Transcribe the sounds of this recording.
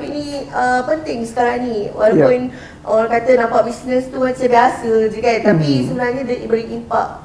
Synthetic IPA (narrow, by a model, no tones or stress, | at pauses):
piniəpənt̪ɪŋsə̥kaɾaŋniwa̰lawpun | ɔɾãkat̪ənãmpaʔ̚bisnəst̪uat͡ʃəbiasəd͡ʒəkat̪apisəbənarɲədəibəɾiʔimpa̰k̚